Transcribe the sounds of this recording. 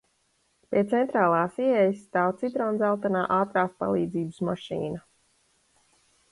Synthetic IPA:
pʲiɛt̪sɛnt̪ɾaːlˠaːsiɛjsːt̪aːwt̪sid̪ɾɔːnd̪zalˠt̪anaːʔaːt̪ɾaːspa̰lˠiːd̪ziːbɨsmaʃḭːna

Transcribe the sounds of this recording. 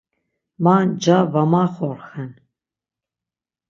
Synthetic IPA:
maːnd͡ʒavamaːχɔrxɛn

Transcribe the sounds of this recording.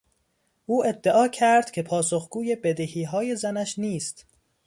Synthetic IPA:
ʔuːʔe̞d̪ːeʔɒːcʰæɾd̪̥cʰe̞pʰɒːsoxɡuːje̞bed̪ehiːɦɒːje̞zænæʃniːst̪

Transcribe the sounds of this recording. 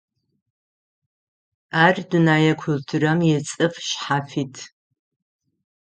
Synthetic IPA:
aːrdɨnaːjɐkʷʰʊltʰuɾɐmjɛt͡sʼɨfʃħaːfiːtʰ

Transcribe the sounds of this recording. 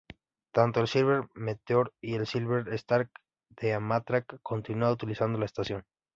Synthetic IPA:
t̪ant̪oelsilβeɾmet̪eoɾielsilβeɾest̪aɾk | d̪̥eamat̪ɾakːo̞nt̪inuaut̪ilisand̪o̞laest̪asjo̞n

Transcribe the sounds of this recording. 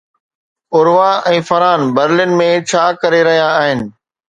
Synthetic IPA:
ʊɾʋaɛ̃ːfɐɾaːnbɐɾlɪnmẽt͡ɕʰaːkɐɾeɾɐɦijaːɦɪnɪ̆

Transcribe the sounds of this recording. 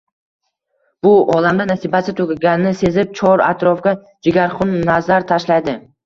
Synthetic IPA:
b̥ʊʔɒlamd̪anasibasɪt̪ʰokʲɪɡʲanɪnɪse̞zɪp̚t͡ʃʰɒɾa̰t̪ɾɒfɡʲa | d͡ʒɪɡʲaɾχʊnːazaɾt̪ʰaʃlajd̪ɪ

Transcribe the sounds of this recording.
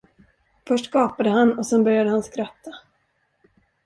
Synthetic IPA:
fœʂʈkɑːpad̪əhanːɔsɛnbœɾjad̪əhanskɾat̪ʰːa

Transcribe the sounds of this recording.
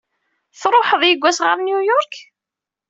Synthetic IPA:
θɾˤoħəðˤjəɡʷːæsʁəɾnjujɔɾk

